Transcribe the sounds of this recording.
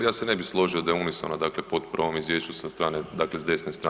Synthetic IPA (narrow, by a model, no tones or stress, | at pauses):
jaːsenebixslˠo̞ʒiod̪euniso̰nad̪aklepod̪pɾʋo̞mizʋjeʃt͡ʃusast̪ɾaːned̪aːklezd̪e̞snest̪ɾa